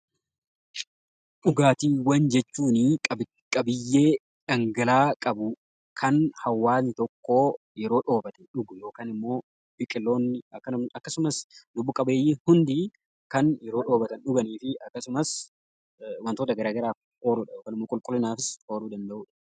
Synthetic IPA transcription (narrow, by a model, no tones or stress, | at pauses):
ᶑʊɡaːt̪iːwɐnd͡ʒɛt͡ʃːuːnɪ | kʼɐbɪjːe̞ː | ᶑɐŋɡɐlaːkʼɐbʊ | kʰɐnhɐwːaːnɪt̪ɔkːo̞ː | jɛɾoːᶑo̞ːbɐt̪ɛᶑʊɡʊjo̞ːkaːnɪmːo̞ː | bɪkʼɪlːo̞ːnːɪɐkːɐɐkːɐsʊmɐsd̪ʊbːʊkʼɐbeːjiːhʊnd̪i | kɐnjɛɾoːᶑo̞ːbɐt̪ɐnᶑʊɡɐniːfɪʔɐkːɐsʊmɐs | wɐnt̪oːt̪ɐɡɐɾaːɡɐɾaːf | oːɾʊᶑɐjoːkaːnɪmːoːkʼʊlkʼʊlːɪnaːfɪso̞ːɾuːd̪ɐnd̪ɐʔuːᶑɐ̥